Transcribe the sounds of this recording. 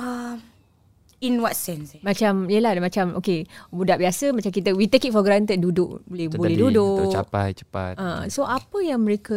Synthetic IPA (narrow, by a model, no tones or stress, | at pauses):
a | inwatsɛnsmat͡ʃamiəladmat͡ʃamo̰kebudaʔbiasəmat͡ʃamkit̪əwit̪əkit̪̚fɔɡɾant̪ədudʊʔbolɛhbolɛhdudʊt͡ʃa̰pa̰jt͡ʃə̥pa̰t̪asoʔapəjaŋməɾekə